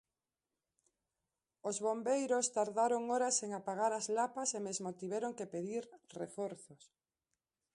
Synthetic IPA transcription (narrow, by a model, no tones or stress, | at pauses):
ozβombejɾost̪aɾðaɾoŋoɾaseŋapaɣaɾazlapasemezmot̪iβɛɾoŋkepeðiɾrḛfoɾθos